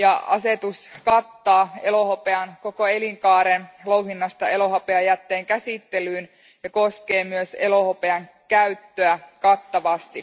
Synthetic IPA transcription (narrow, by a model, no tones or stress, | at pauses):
jɑɑ̰se̞t̪uskɑt̪ːɑːe̞lo̞hopeɑnko̞ko̞e̞liŋkɑːɾenlowɦinːɑst̪ɑe̞lo̞ɦɑpeɑjæt̪ːe̞ːŋkæsit̪ːe̞lyːn | jɑko̞ske̞ːmyøse̞lo̞hopeɑŋ | kæyt̪ːøækɑt̪ːɑʋɑst̪i